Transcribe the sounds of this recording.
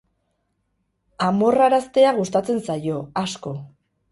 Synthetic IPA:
amo̞raɾast̪e̞aɣust̪at͡se̞nsajo̞asko̞

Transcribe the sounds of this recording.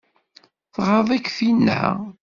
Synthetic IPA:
θʁəðˤækːfin̰ː

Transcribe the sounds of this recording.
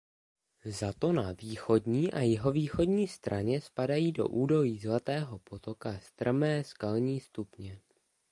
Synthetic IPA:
zat̪o̞naviːxo̞dɲiːʔajɪɦo̞viːxo̞dɲiːst̪ɾʔaɲɛspadajiːdo̞̰ʔuːdo̞jiːzlat̪ɛːɦo̞po̞t̪o̞kast̪r̩mɛːskalɲiːst̪upɲɛ

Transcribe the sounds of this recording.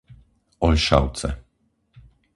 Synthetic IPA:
ɔjʃa̰wt̪sɛ̰

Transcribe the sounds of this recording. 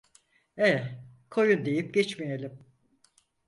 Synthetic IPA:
ɛ | kʰo̞jund̪e̞jip̚ɟɛt͡ʃmijelʲim

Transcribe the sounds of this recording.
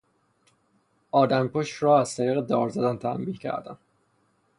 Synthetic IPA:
ʔɒːd̪æmkoʃɾɒːæz̥t̪ʰæɾiːɣed̪ɒːɾzæd̪ænt̪ʰæ̰mbiːhcʰæ̰ɾd̪æ̰n

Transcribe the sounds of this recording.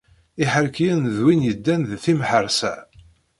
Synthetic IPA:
iħəɾkjænðwinjəd̪ːænðθimħəɾsæ̰

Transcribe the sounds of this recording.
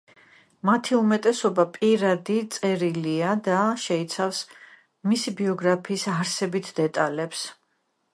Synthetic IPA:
mat̪ʰiumɛt̪ʼɛsɔbapʼiɾad̪it̪sʼɛɾiliad̪aʃɛit̪sʰafs | misibiɔɡɾapʰiːsaɾsɛbit̪ʰd̪̥ɛt̪ʼalɛps

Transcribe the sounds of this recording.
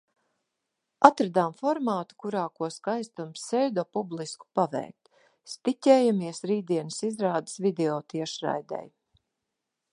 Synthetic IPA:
at̪ɾad̪amfɔɾmaːt̪u̥kuɾaːkuɔskajst̪umsːɛjd̪ɔpublˠisku̥pavɛ̰ːjk̚t̪ | st̪itʲɛːjamiɛsɾiːd̪iɛnəsizɾaːd̪ə̥svid̪ɛɔːt̪iɛʃɾa̰jd̪ɛ̰j

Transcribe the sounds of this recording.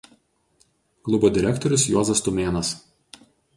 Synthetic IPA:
klˠʊbod̪ʲɪɾʲɛkt̪ɔɾʲʊsjɔzɐst̪ʊmʲeːnɐs

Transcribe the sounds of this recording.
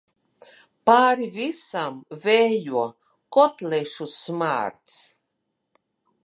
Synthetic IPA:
paːɾivisamvɛːjuɔ | kɔt̪lɛʃusma̰ːɾt̪s

